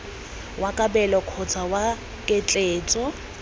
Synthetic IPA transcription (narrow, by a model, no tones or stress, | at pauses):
wʔakʼabɛlɔkʰɔt͡sʰawa | kʼɛt͡ɬʼeːt͡sʼɔ